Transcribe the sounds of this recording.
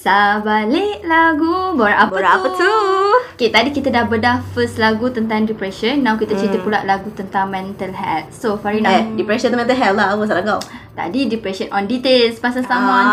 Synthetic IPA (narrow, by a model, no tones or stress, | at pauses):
sabaleʔlaɡubaɾaʔapbəaaət̪uket̪adikit̪adahbədahfəslaɡut̪ənt̪ãŋdipɾɛʃənːãwkit̪at͡ʃit̪əpulaʔlaɡut̪ənt̪aŋmɛ̃nt̪əlhɛt̪̚sofaɾinadipɾɛʃə̃nt̪əmɛ̃nt̪əlɦɛllawəs̬alaɡawt̪a̰didipɾɛʃənʔɔ̃ndit̪elspasasama